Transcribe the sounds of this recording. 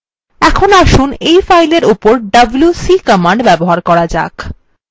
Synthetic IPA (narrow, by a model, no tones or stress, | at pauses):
ɛkʰonoaʃunejfajleɾupoɾɖɐbljusikəmaɳɖbɛboɦaɾkɔɾad͡ʑa̰k